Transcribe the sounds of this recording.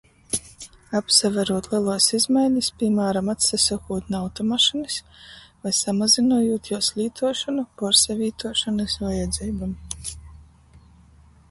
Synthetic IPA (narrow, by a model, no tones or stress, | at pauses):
apsavɛɾuɔt̪lˠiɛlˠuɔsizmajɲispʲimaːɾamat̪sasakuːt̪nawt̪ɔmaʃinɨs | vajsamazinuːjuːt̪juɔslʲiːt̪ʰuɔʃanupɔɾsɛvʲiːt̪uɔʃanɨsajɛd̪ziːbam